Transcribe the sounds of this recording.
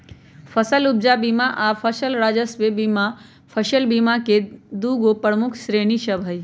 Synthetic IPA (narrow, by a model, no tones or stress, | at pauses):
fʰɐsəlʊb̚d͡ʒabiːmaʔaːfʰɐʃəlɾaːd͡ʒəsʋebima | pʰɐʃəlbimaked̪uːɡopəɾmʊkʰʃɾeːniʃɐbʱəi